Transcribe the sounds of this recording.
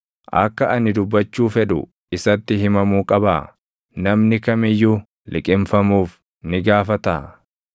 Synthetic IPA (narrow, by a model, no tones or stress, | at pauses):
ʔɐ̰kːɐʔɐnɪd̪ʊbːɐt͡ʃːuːfɛᶑʊ̰ | ɪsɐt̪ːɪhɪmɐmuːkʼɐbaː | nɐmnɪkɐmɪjːu | lʔɪkʼɪmfɐmuːf | nɪɡaːfɐt̪aː